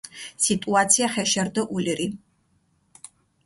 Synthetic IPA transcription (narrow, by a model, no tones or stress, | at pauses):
sit̪ʼuat̪sʰiaχɛʃɛɾd̪ɔʔuliɾi